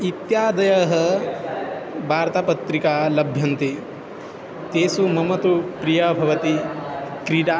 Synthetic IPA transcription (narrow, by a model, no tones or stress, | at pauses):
it̪jaːd̪ɐjɐɦɐ | bʱaːɾt̪apɐt̪ɾikaːlɐbʱjɐnt̪i | t̪eːsumɐmɐt̪upɾijɐbʱɐʋɐt̪ikɾiɖaː